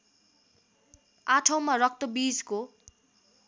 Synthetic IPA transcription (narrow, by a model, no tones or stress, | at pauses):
aʈʰʌw̃marʌk̚t̪ʌbid͡zko